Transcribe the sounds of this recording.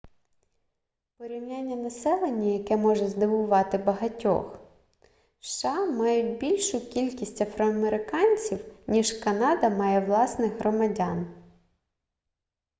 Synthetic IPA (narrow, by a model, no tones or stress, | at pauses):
peɾʲiwnʲanʲːɐnɐsɛlˠenʲːɐjɐkɛmɔʒɛzd̪ɪʋʊʋɑt̪ɪbɐɦɐtʲɔ̰x | ʃːɑmɑjʊtʲbʲilʲʃʊkʲilʲkʲisʲtʲɐfɾɔɐmeɾɪkɑnʲt͡sʲiwnʲiʒkɐnɑd̪ɐmɑjɛʋlˠɑsnɪɣɦɾɔmɐdʲɑn